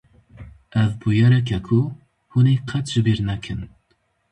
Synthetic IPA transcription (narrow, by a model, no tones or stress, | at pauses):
ɛvbujɑɾɛk̬ɛkʰʊ | huneqʰɛt̪ʒ̥ɨbiːɾnɛkʰɨn